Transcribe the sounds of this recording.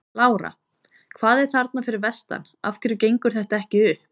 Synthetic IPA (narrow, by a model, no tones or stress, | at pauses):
laːwɾa̰ | kʰvaːðɛɾ̥θaɾt̪nafɪɾɪɾvɛst̪a̰n | a̰fcɪɾʏcejŋkʏɾ̥θɛht̪aɛhcɪʏhp